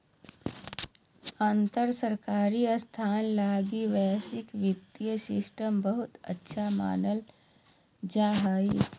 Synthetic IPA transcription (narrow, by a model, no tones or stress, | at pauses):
aːnt̪əɾsəɾkaːɾist̪ʰaːnlaːɡiʋɛːsɪkʋɪt̪ːjəsɪsʈəmbəɦʊt̪ə̰tːʃʰama̰ːnəl | d͡ʒaːɦaːiː